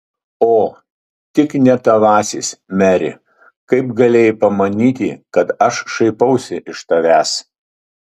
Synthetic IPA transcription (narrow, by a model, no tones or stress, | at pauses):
oː | t̪ʲɪknʲɛt̪ɐʋɑːsʲḭːsmʲæːɾʲɪ̰ | kɐɪpɡɐlʲeːjɪpɐmɐnʲiːt̪ʲḭːkɐt̪ɐʃʃɐɪpɐʊsʲɪʔɪʃt̪ɐʋʲæːs